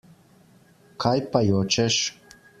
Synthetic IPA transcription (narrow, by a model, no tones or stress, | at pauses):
kʰajpajot͡ʃeʃ